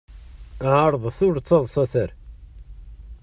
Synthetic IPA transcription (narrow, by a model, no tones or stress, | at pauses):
ʕəɾˤðˤθʊɾt͡sːɑðˤsˤɑθəɾ